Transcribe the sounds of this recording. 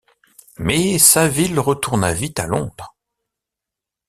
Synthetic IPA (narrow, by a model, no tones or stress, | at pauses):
mɛsavilʁət̪uʁnavit̪alɔ̃d̪ʁ